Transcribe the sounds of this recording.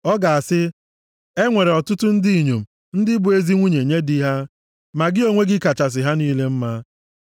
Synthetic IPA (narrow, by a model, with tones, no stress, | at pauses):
ɔ˦ɡa˨a˨sɪ˦ | e˦ŋʷe˨ɾe˨ɔ˨tʊ˦tʊ˦n̩˦di˦i˨ɲo˨m̩˨ | n̩˦dɪ˦bʊ˨e˦zi˦ŋʷu˦ɲe˨ɲe˦di˦ɦa˦ | ma˨ɡɪ˦o˦ŋʷe˦ɡɪ˦ka˨t͡ʃa˨s̬ɪ˨ɦa˦niː˦le˦m̩˦ma˦